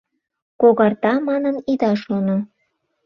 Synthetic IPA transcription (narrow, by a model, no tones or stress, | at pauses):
koɣɑrt̪ɑmɑnənid̪ɑʃono